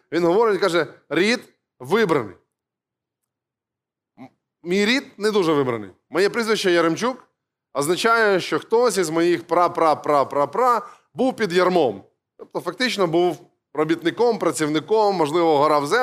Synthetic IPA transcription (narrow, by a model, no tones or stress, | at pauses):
ʋʲinɦɔʋɔɾɪtʲkɑʒɛɾʲid̪ | ʋɪbɾɐnɪ̰j | mʲijɾʲid̪̚nɛd̪uʒɛʋɪbɾɐnɪ̰j | mɔjɛpɾizʋɪt͡ʃːɛjɐɾemt͡ʃuk | ɐznɐt͡ʃajɛʃt͡ʃɔxt̪ɔsʲizmɔjixpɾɑpɾɑpɾɑpɾɑpɾɑ | buwpʲid̪jɐrmɔm | t̪ɔp̚t̪ɔfɐk̚t̪ɪt͡ʃnɔbuw | ɾɔbʲit̪nɪkɔmpɾɐt͡sʲiwnɪkɔmːɔʒlˠɪʋɔɦɐɾɑwzɛ